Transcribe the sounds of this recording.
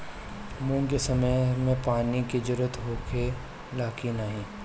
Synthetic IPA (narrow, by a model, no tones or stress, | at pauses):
mũːŋkesɐməjmẽpaːniɡɪd͡ʒɾət̪ɦoːkʰe | laːkinəɦĩː